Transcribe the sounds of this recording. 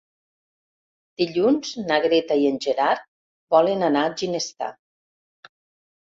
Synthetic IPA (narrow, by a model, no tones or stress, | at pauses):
d̪̥iʎunz̥naɣɾet̪aienʲʒeɾaɾ | bɔlənanaʒinest̪a̰